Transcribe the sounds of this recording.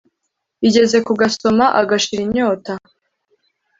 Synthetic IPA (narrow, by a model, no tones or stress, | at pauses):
iɟe̞ze̞kuɡaso̞maʔaɡaʃiɾiɲo̞ːta